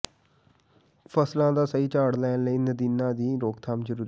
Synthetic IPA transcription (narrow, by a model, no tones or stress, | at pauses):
fʰəslãːd̪aːsəiːt͡ʃaːɽlɛːnləiːnəd̪iːnãːd̪iːɾoːkt̪ʰaːmzəɾuːɾi